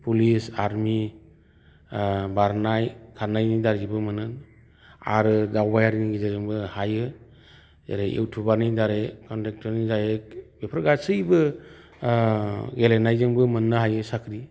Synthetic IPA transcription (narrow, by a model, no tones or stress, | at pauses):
pulisaɾmi | baɾnajkʰaɾnajnidaɾibɯmɯnɯn | a̰ɾɯdawbajaɾiniɡizazɯŋbɯhajɯ | za̰ɾeʔḛwtʰubanidaɾekɔntek̚tʰɔɾnizajek̚bepʰɾɡasɯjbɯ | ɡelenajzɯŋbɯmɯnːɯɦajɯsakʰɾi